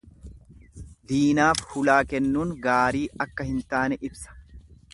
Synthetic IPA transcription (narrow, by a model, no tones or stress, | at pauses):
d̪iːnaːfhʊlaːkɛnːuːŋɡaːɾiːɐkːɐhɪnt̪aːnɛʔɪbsɐ̥